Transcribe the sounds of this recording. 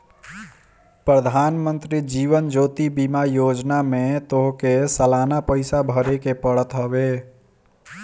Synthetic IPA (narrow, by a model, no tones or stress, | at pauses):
pɾəd̪ʱanmənt̪ɾid͡ʒiβənd͡ʒot̪ibimajod͡ʒnamet̪oɦkesəlanapəɪsabʱəɾekepəɽət̪ɦəβe